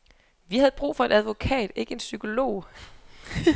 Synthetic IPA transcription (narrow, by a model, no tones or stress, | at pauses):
ʋihæð̞ˠb̥ʁṵːfɒ̽e̝d̥æðˠʋo̝kʰɛ̰ːd̥e̝ɡ̥əe̝nsykʰo̝lo̝̰ː